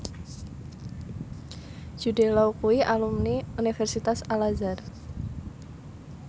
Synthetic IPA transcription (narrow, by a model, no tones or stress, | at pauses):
d͡ʒudɛlawkuiʔalumniunivɛrsit̪asalazɛr